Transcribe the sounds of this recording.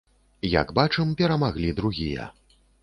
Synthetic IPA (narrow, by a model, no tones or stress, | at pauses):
jaɐ̰ɡbat͡ʂɛmpʲɛɾɐmaɣlʲid̪ɾuɣʲijɐ̰